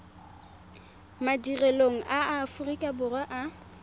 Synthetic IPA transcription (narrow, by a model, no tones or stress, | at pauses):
madirɛloŋ̩ʔaafʊrikʼabʊrwaʔa